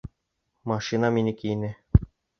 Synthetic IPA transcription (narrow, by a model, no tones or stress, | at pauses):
mɑʂinɑmʲinʲɘkʲijnʲɘ̆